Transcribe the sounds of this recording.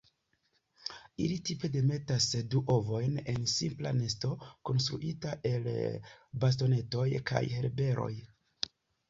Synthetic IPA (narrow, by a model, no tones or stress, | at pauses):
ilitipe̞de̞me̞tasduʔovo̞jne̞nsimpla̰ne̞sto̞ko̞nstɾuʔitaʔe̞lbas̬to̞ne̞to̞jka̰jhe̞ɾbe̞ɾʔo̞̰j